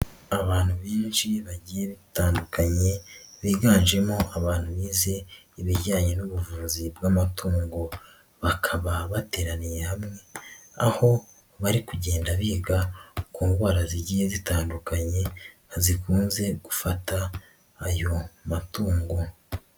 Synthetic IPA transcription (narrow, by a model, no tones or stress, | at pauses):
aβaːn̥huβiːnʃiβaɟiːje̞βitaːndukʰaɲe̞βiːɡaːnʒe̞mo̞ʔaβaːn̥huβiːze̞ | iβiɾɟaːɲe̞nuβuvuːzibɡamatʰuːŋɡo̞ | βakʰaβaβate̞ːɾanije̞hamŋe̞aho̞ | βaɾikuɟe̞ːndaβiːɡakuːŋɡwaːɾaziɟiːje̞zitaːndukaɲe̞ | zikuːnze̞ɡ̥ufataː | jo̞matuːŋɡo̞